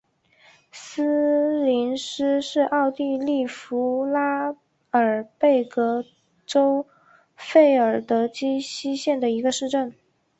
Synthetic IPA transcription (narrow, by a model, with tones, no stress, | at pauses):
s̩˥li˧˥nʂ̩˥ʂɻ̩˥˧ʔɑ˥˧ʊt̪i˥˧li˥˩fu˧˥la˥ | ə˞˨˩pe˥˩ɪkɤ˧˥ | ʈ͡ʂo˥ʊ | fe˥˩ɪə˞˨˩t̪ɤ˧˥t͡ɕi˥ɕi˥ɕjɛ˥˩nd̪ə˩i˧˥ɡə˧ʂɻ̩˥˧ʈ͡ʂə˥˩n